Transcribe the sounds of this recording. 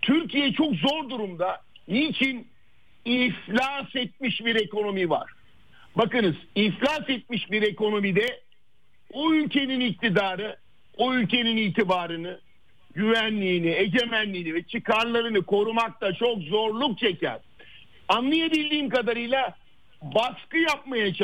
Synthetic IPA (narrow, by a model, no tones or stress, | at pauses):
t̪ʰyɾcʰijɛt͡ʃʰo̞kzo̞ɾd̪uɾumd̪a | niːt͡ʃʰin | iflʲasɛt̪̚miʃbiɾe̞ko̞no̞miva̰ɾ̥ | bakɯnɯz̥iflʲasɛt̪̚miʃbiɾe̞ko̞no̞mid̪ɛ | uylʲce̞ninic̚t̪ʰid̪aːɾɯ | uylʲce̞niniːt̪ʰibaːɾɯnɯ | ɟyvænlʲiːnie̞ɟe̞mænlʲiːnivɛt͡ʃʰikaɾlˠaɾɯnɯkʰo̞ɾumak̚t̪at͡ʃʰo̞kzo̞ɾlˠuk̚t͡ʃʰe̞cæ̰ɾ | anlːˠijebilʲd̪iːmkad̪aɾɯjlˠa | baskɯjap̚majat͡ʃʰ